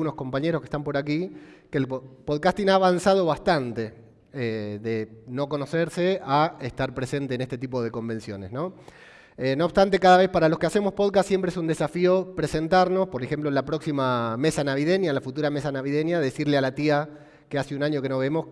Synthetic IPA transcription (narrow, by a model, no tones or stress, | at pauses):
uno̞sko̞mpaɲeɾoskest̪ampo̞ɾak̬ikelpoðkast̪inaːβansaðo̞βast̪ant̪e̞ | eðeno̞ko̞no̞seɾse̞aest̪aɾpɾe̞se̞nt̪eːnest̪e̞t̪̬ipo̞ð̞e̞ko̞mbe̞nsjo̞ne̞sno̞ | eno̞ːβst̪ant̪e̞kaðaβ̞e̞spaɾalo̞skease̞mo̞spo̞ðkassːje̞mpɾees̬und̪e̞safio̞pɾe̞se̞nt̪aɾno̞spo̞ɾexe̞mp̬loenlapɾo̞ksimame̞sanaβiðenjalafut̪uɾamesanaβiðe̞njaðesiɾlealat̪ia | keaseunaɲjo̞keno̞βemo̞s